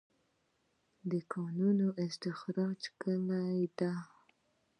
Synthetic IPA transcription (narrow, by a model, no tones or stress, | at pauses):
d̪əkʰɑnunoʔɪst̪ɪxɾɑd͡ʒkəmajd̪a